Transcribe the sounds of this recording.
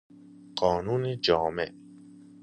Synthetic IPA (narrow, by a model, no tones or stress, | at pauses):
ɢ̥ɒːnuːned͡ʒɒːmeʔ